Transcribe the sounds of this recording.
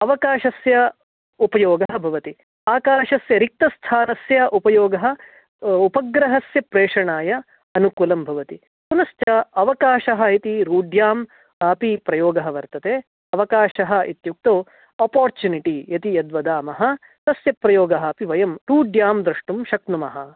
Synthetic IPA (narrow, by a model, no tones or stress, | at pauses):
ɐʋɐkaːʃɐsjɐ | upɐjoːɡɐɦɐ̆bʱɐʋɐt̪i | aːkaːʃɐsjɐɾik̚t̪ɐst̪ʰaːnɐsjɐʔupɐjoːɡɐɦɐ̆ | upɐɡɾɐɦɐsjɐpɾeːʂɐɳaːjɐ | ɐnukulɐmbʱɐʋɐt̪i | kunɐst̪ɐɐʋɐkaːʃɐɦɐ̆it̪iɾuːɖjaːm | aːpipɾɐjoːɡɐɦɐʋɐɾt̪ɐt̪eː | ɐʋɐkaːʃɐɦɐ̆ḭt̪juk̚t̪o | ɐpaːɾt͡ʃjuniʈijɐt̪iɐd̪ʋɐd̪aːmɐɦɐ̆ | t̪ɐsjɐpɾɐjoːɡɐɦɐːpiʋɐjɐmɾuːɖjaːmd̪ɾɐʂʈumʃɐknumɐɦɐ